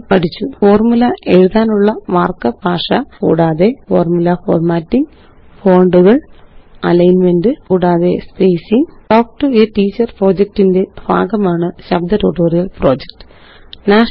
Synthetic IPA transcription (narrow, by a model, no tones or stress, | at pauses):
pɐʈʰit͡ɕːufo̞ːrmulɐʔe̞ɻuðaːnuɭːɐmaːrkːɐbʱaːʂɐkṵːɽaːðe̞fo̞̰ːrmulɐfo̰ːrmaːtːiŋ | fo̞ːɳɖuɣɐɭɐlɐjnmendɨkuːɽaːðe̞̰spejsiŋʈoːk̚ʈɨeʈiːt͡ɕːɐrpro̞ːd͡ʑɐk̚ʈːinde̞bʱa̰ːɡɐmaːɳɨɕɐbd̪ɐtoːʈːoːrijɐlpro̞ːd͡ʑek̚ʈɨ̥ | naːʂ